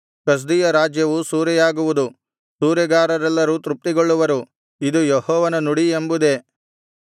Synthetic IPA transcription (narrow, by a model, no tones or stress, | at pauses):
kɐs̬d̪ijɐɾaːd͡ʒjɐʋusuːɾɛjaːɡuʋud̪u | suːɾjɐɡaːɾɐɾɛlːɐɾut̪ɾup̚t̪iɡoɭːuʋɐɾu | id̪ujehɔːʋɐnɐnuɽiembud̪e̞